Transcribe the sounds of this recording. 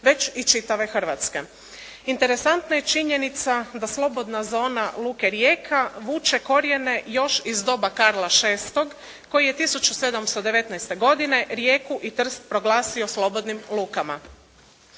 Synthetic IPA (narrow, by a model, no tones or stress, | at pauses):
ʋe̞t͡ʃit͡ʃit̪aʋe̞xr̩ʋat̪ske̞̰ | int̪eɾe̞sant̪najet͡ʃiɲenit̪sad̪aslˠo̞bo̞d̪nazo̞ːnalˠuːke̞ɾjeːkʰaʋuːt͡ʃe̞ko̞ɾje̞ne̞jo̞ʃizd̪o̞bakaɾlˠaʃe̞ːst̪o̞ɡ | ko̞jije̞t̪isut͡ʃuse̞d̪amst̪od̪e̞ʋe̞t̪najst̪e̞ɡo̞d̪ine̞ɾje̞ːkuʔit̪r̩st̪̚pɾo̞ɡlˠaːsioslˠo̞bo̞d̪nimlˠuːkama̰